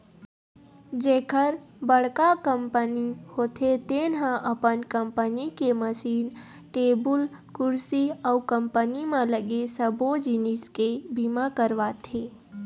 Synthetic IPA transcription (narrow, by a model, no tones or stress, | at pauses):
d͡ʒeːkəɾbəɽ̤kakəmpənihoːt̪ʰet̪eːnɦãʔəpənkəmpənikeməsiːn | ʈeːbʊl | kʊɾsiəkəmpənimẽləɡesəbod͡ʒiniskebimakəɾʋat̪ʰeː